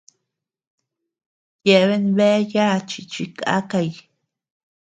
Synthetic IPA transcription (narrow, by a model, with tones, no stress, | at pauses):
je˧βe˦nbe˦ja˦t͡ʃi˨t͡ʃi˧kʰa̰˦ka˧j